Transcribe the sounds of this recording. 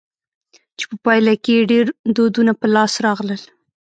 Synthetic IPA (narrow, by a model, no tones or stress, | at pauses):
t͡ʃe̥pəpɑjlakeɖeɾd̪od̪unapəlɑsɾɑɣləl